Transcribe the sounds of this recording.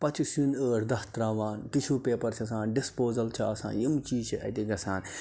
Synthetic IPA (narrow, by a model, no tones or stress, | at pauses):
pɐt͡ʃʰisjunəːɾd̪ɐht̪ɾaːʋaːnkit͡ʃʰuːpeːpɐɾt͡ʃʰɐs̬ãːnɖispoːzɐlt͡ʃʰɐɐsã̰ːjimt͡ʃiːt͡ʃʰiʔɐ̰t̪iɡɐsaːn